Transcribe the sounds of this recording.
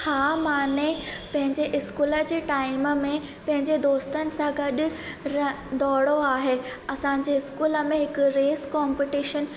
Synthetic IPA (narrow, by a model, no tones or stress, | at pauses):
haːmaːnepɐ̃ɦɪ̃ɲd͡ʑeʔɪskuːləd͡ʑeːʈaːɪməmẽ | pɐ̃ɦɪ̃ɲd͡ʑed̪oːst̪ənɪ̆sãɡɐɗʊ̆ɾɐ | d̪ɔːɽoaːɦeːɐsã̆ːd͡ʑeːɪskuːlə̆mẽɦɪkʊɾeːskaːmpiʈiːʃən